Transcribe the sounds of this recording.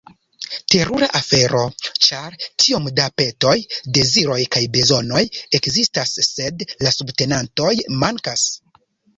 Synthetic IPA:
te̞ɾuɾaʔafe̞ɾo̞t͡ʃaɾtʰio̞mdape̞to̞jde̞ziɾo̞jkajbe̞zo̞no̞je̞kzistasːe̞dlasubte̞nanto̞jmaŋkas

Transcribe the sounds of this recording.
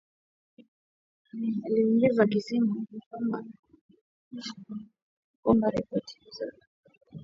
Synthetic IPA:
aliuŋɡizakisimukɔma̰ | kɔmbaɾipɔtʰi̥izɔɾi

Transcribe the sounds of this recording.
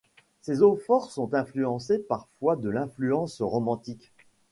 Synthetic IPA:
sezofɔʁsɔ̃t̪ɛ̃flyɑ̃sepaʁfwad̪əlɛ̃flyɑ̃sʁɔmɑ̃t̪ik

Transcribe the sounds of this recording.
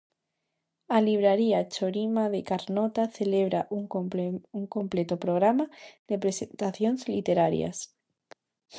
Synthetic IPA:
aliβ̞ɾaɾiat͡ʃoɾimaðekaɾnot̪aθele̞β̞ɾaʔuŋuŋkomple̞t̪opɾoɣ̞ɾamaðepɾe̞sent̪aθjo̞nzlit̪e̞ɾaɾja̰s

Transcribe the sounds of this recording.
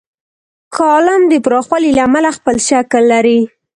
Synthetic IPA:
kɑlamd̪əpɾɑxwalilaːmalaxpəlʃaklːaɾi

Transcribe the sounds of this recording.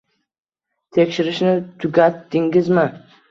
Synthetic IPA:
t̪ʰe̞kʲʃɪɾɪʃnɪt̪ʰʊɡʲat̪dɪŋʲɪzmɪ

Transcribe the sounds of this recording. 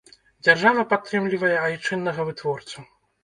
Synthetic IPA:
d͡zʲarʐavɐpat̪ːɾɨmlʲivɐjɛajt͡ʂɨnːɐɣɐvɨt̪vɔrt̪su

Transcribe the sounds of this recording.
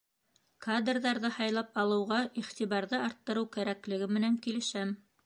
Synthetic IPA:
kad̪rðɑɾðɤhɑjlˠɑpɑlˠɤ̆wʁɑiχt̪iβɑɾðɤɑɾt̪ːɤ̆ɾɤwkæɾæklɘ̆ɡɘmɘ̆næŋkilɘ̆ʃæm

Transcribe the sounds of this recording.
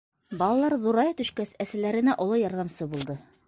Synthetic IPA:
bɑlˠɑlˠɑɾðuɾɑjt̪ɵ̆ʃkæsæsɘ̆læɾɘ̆næʔŏlˠɤjɑɾðɑmsɤbulˠd̪ɤ

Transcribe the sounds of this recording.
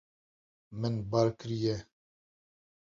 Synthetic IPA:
mɨnbaɾkɨɾijɛ

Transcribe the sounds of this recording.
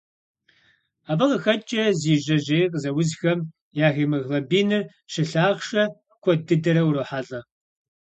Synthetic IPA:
aːbɐqəxɐt͡ʃʼɐziːʑɐʑeːqəzɐwʊzxɐm | jaːɣiːmɨɣlɐbiːnɨr | ʃɨɬaːʁʂɐ | kʷʰʼɔdɨdɐɾɐwɾoħaɮʼɐ

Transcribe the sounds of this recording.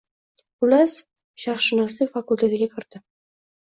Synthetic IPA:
ʊlas | ʃaɾχʃɪnɒslɪfakʊlˠt̪ʰe̞t̪ɪɡʲakʲʰɪɾd̪̥ɪ

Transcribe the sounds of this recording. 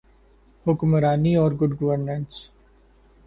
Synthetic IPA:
hʊkmɾaːniɔːɾɡʊɖɡɐʋəɾnə̃ɳs

